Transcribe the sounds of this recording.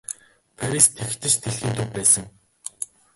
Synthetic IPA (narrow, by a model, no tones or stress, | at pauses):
pʰaɾist̪ʰext̪ɘ̆t͡ɕt̪ʰeɮxiːnt̪ʰʊpæːsə̆ŋ